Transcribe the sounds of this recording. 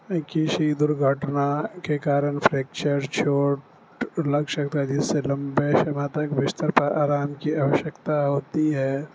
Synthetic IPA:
kiʃid̪ʊɾɡʱəʈnakekaːɾənpʰɾeːk̚t͡ʃəɾt͡ʃʰoːʈ | lɐkʃəkt̪ad͡ʒɪsːelɐ̃mbeʃɐmãt̪ɐkʋɪst̪əɾpɐɾaːɾaːmkiaːʋəʃjəkt̪aɦoːt̪iɦɛː

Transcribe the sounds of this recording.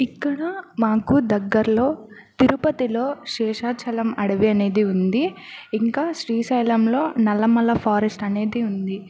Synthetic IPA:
ikːɐɽɐmaːkud̪ɐɡːɐɾɐlo̞ːt̪iɾupɐt̪ilo̞ːʃɛːʂaːt͡ʃʰɐlɐmɐɽɐʋiɐne̞ːd̪iund̪iiŋkaːʃɾiːsɐjlɐmlo̞ːnɐlːɐmɐlːɐpʰaːɾesʈɐne̞ːd̪iund̪i

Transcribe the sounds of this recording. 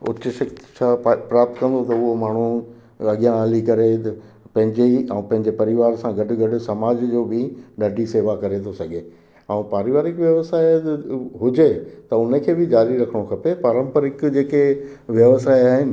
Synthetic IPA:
ʊ̰t͡ɕʃɐkt̪t͡ɕʰaːpɾaːp̚t̪kɐ̃nd̪ot̪ɐʊɦomaːɳ̤u | ɐɠijãaːlikɐɾet̪ɐ | pɐ̃ɦɪ̃ɲd͡ʑeɐ̃ũpɐ̃ɦɪɲd͡ʑepɐɾɪʋaːɾsãɡɐɖɪɡɐɖʊsɐmaːd͡ʑd͡ʑoːbʱɪɗaːɖʱiseːʋakɐɾet̪ʰosɐɡe | ɛ̃ũpaːɾɪʋaːɾɪkʋjɐʋsaːɪɦʊd͡ʑet̪ɐʊnəkʰeːbɪd͡ʑaːɾiɾɐkʰəɽ̃okʰɐpepaːɾə̃mpəɾɪkd͡ʑeːke | ʋjɐʋsaːiaːɦɪnɪ̆

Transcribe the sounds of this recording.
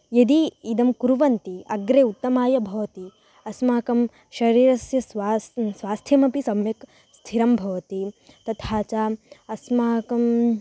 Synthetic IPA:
jɐd̪iːd̪ɐmkuɾuʋɐnt̪iɐɡɾeːut̪ːɐmaːjɐbʱɐʋɐt̪i | ɐsmaːkɐm | ʃɐɾiːɾɐsjɐsʋaːssʋaːst̪ʰjɐmɐpisɐmjɐk | st̪ʰiɾɐmbʱɐʋɐt̪i | t̪ɐt̪ʰaːt͡ʃaːɐsmaːkɐm

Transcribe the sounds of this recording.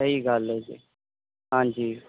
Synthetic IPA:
əɦiɡʱaːlːeːd͡ʒḛː | ɦãːd͡ʒiː

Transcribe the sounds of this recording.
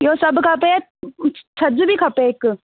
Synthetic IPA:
joːsɐbkʰape | t͡ʃʰɐd͡ʒbʱikʰɐpek

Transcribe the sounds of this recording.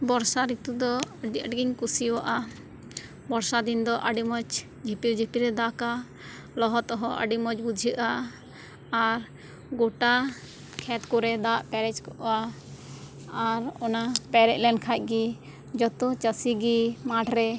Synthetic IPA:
bɔɾsaɾit̪ud̪ɔəɖiəɖɡiŋkusiwaʔa | bɔɾsad̪ind̪ɔʔəɖimɔt͡ʃ | d͡ʒʱipiɾd͡ʒʱipiɾɛd̪aka | lɔɦɔt̪ɔɦɔə̰ɖimɔd͡ʒbud͡ʒʱiʔaː | ɾ | ɡɔʈa | kʰɛt̪kɔɾɛd̪aʔpɛɾɛt͡ʃkɔʔa | ɾɔnapɛɾɛc̚lɛnkʰac̚ˀɡi | d͡ʒɔt̪ut͡ʃəsiɡimaʈʰɾɛ

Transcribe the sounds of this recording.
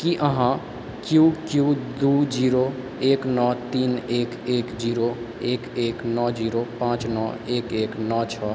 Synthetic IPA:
kiʔəɦã | kjukjud̪ud͡ʒiɾo | eknɔt̪inekekd͡ʒiɾo | ekeknɔd͡ʒiɾopãt͡ʃnɔekeknɔt͡ʃʰɔ

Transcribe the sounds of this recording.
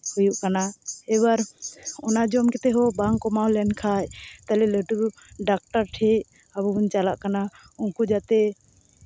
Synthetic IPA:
hujuʔkanaɛwaɾɔnad͡ʒɔmkɛt̪ɛɦɔbaŋkɔmawlɛnkʰaʔt̪alɛləʈu | ɖak̚ʈaɾʈʰɛʔ | abuuɲt͡ʃalaʔkana | unkud͡ʒat̪ɛ

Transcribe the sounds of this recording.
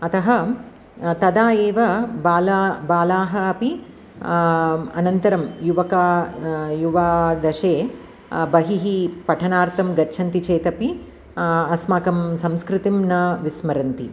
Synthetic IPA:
ɐt̪ɐɦɐ | t̪ɐd̪aːjeːʋɐbaːlabaːlaːɦɐɐpi | ɐnɐnt̪ɐɾɐmjuʋɐka | juʋaːd̪ɐʃeː | bɐɦiɦipɐʈʰɐnaːɾt̪ɐmɡɐtːt͡ʃʰɐnt̪it͡ʃeːt̪ɐpi | ɐsmaːkɐmsɐmskɾɪt̪imnɐʋismɐɾɐnt̪i

